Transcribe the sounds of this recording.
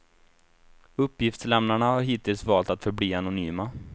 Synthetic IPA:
ɵpːjɪft̪slɛmnaɳahaɾɦiːt̪ɪlsvɑːlt̪at̪fœɾbliːanʊnyːma

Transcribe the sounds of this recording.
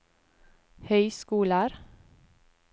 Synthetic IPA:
hœʏskuːləɾ

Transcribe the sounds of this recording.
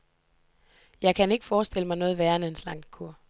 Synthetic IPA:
jɑ̈ɪkʰæne̝ɡ̥əfɒːsd̥e̝l̰əmɑ̈ɪnɔ̽ːð̞̩ˠʋæːɐnəenslɑ̈ŋ̰d̥kʰuɐ̰

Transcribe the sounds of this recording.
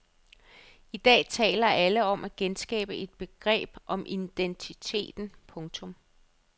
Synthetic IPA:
id̥ɛ̰ːt͡sʰɛ̰ːlɐʔæləɒ̽mʔæɡ̥ensɡ̥ɛ̰ːb̥əʔe̝d̥̚b̥e̝ɡ̥ʁɛ̰ːb̥ʔɒ̽mʔind̥ent͡sʰit͡sʰe̝̰ːd̥n̩pʰɔ̽ŋt͡sʰɔ̽m

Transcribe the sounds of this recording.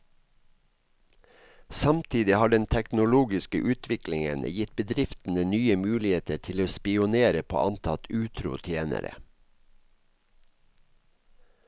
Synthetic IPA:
sɑmt̪ʰiːd̪ɪhɑːɖɛnt̪ʰɛknʊluːɡɪskə̰ʔʉːt̪ʰʋɪklɪŋə̰njɪt̪̚bəd̪ɾɪft̪n̩ənyːəmʉːlɪheːt̪əʈʰɪloːspɪʊneːɾəpʰo̰ːʔɑnt̪ʰɑt̪ʉːt̪ʰɾʊ̰t̪ʰjeːnə̰ɾə̰

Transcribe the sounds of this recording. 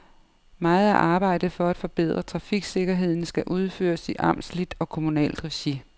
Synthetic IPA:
mɑ̈ːð̩ˠæʔɑ̈ːb̥ɑ̈ɪ̰d̥ð̩ˠfɒ̽æd̥fɒ̽b̥e̝ð̞̰ˠʁɐt͡sʰʁɑ̈fiɡ̥se̝ɡ̥ɐɦe̝ð̞̰ˠn̩sɡ̥æʔuð̞ˠfø̰ːɐsiʔɑ̈mslid̥ɒ̽kʰo̝munɛ̰ːld̥ʁɛɕi

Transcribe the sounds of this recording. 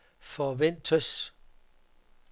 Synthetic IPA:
fɒʋen̰t͡sʰœs

